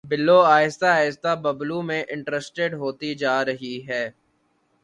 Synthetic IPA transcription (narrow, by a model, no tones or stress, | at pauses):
bɪlːoːaːjɪst̪aaːɪst̪abɐblumẽʔɪ̃ɳʈɾɛsʈeɖɦoːt̪id͡ʒaːɾɐɦiɦɛː